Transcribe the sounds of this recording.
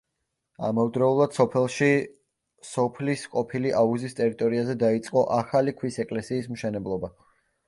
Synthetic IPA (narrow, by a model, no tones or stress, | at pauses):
a̰mɔvd̪ɾɔulˠad̪̥sɔpʰɛlˠʃi | sɔpʰlisqʼɔpʰiliʔauzist̪ʼɛɾit̪ʼɔɾiazɛd̪ait̪sʼqʼɔʔaχalikʰwisɛkʼlɛsiːsmʃɛnɛblˠɔba